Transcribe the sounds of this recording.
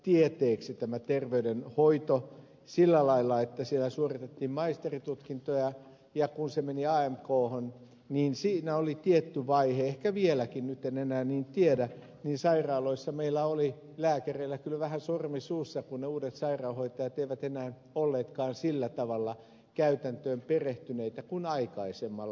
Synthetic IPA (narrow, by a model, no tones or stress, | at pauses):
t̪iet̪eːksit̪æmæt̪erʋeydenhoit̪o | silːælɑilːˑɑet̪ːæsielæsuorit̪et̪ːiːmmɑist̪erit̪ut̪kint̪ojɑ | jɑkunsemeniɑːemkoːhon | niːnsiːnæolit̪iet̪ːyʋɑiheehkæʋielækinnyt̪enenæːniːnt̪iedæ | niːnsɑirɑːloisːɑmeilːˑæoli | læːkæreilːˑækylʋæhæsormisuːsːɑkunneuːdet̪sɑirɑuhoit̪ɑjɑt̪eiʋæt̪enæːn | olːeːt̪kɑːnsilːæt̪ɑʋɑlːɑ | kæyt̪ænt̪øːmpereht̪yneit̪ækunɑikɑisemːɑlː